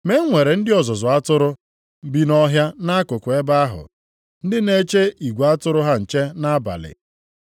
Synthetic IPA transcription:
me˦ŋʷe˨ɾe˨n̩˦dɪ˦ɔ˨zʊ˨zʊ˨a˦tʊ˦ɾʊ˦ | m̩˦bi˦nɔ˦ɦja˦na˦kʊ˨kʷʊ˨e˦ba˦a˦ɦʊ̰˨ | n̩˦dɪ˦ne˦t͡ʃe˦i˨ɡʷa˦tʊ˦ɾʊ˦ɦa˦n̩˨t͡ʃe˦na˦ba̰˨lɪ̰˨

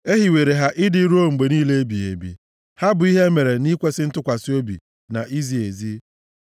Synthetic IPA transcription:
e˦ɦi˨we˨ɾe˨ɦa˦ʔɪ˦dɪ˦ɾu˦o˦ŋ͡m̩˨ɡ͡be˨niː˦le˦e˦bi˨ḛ˨bḭ˨ | ha˦bʊ˨i˦ɦe˦me˨ɾe˨ni˦kʷe˦sɪ˦n̩˦tʊ˦kʷa˨sɪ˦o˦bḭ˨ | na˨ʔi˦zi˨e˨zi˦

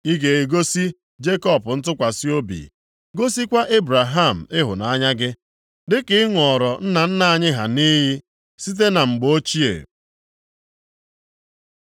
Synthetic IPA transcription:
i˦ɡe˨e˨ɡo˦si˦ | d͡ʒe˦kɔ˦˨pʊ˨n̩˦t̬ʊ˦kʷa˨si˦o˦bḭ˨ | ɡo˦si˦kʷa˦ʔe˦bɾa˨ɦa˦˨m̩˨ɪ˦ɦʊ̰˨na˨a˦ɲa˦ɡɪ˦ | dɪ˦kɪ˦ɪ˦ŋʷɔ˨ɾɔ˨n̩˦na˨n̩˦na˦˨ɲɪ˦ɦa̰˨ni˦ɦi˦ | si˦t̬e˦na˨ŋ͡m̩˨ɡ͡bo˦t͡ʃi˦ḛ˨

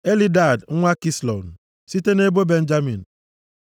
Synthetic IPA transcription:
e˦li˦da˨dŋ̩˦ŋʷa˦ki˦slo̰˨n̩˨ | si˦te˦ne˦bo˦be˦n̩˦d͡ʒa˦mi˨n̩˨

